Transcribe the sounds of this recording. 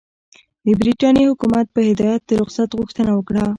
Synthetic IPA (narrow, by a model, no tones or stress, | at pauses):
d̪əbɾiʈɑnjihʊkumat̪̚pəhɪd̪ɑjat̪̚d̪əɾʊqsat̪ɣuxt̪ənawəkɽa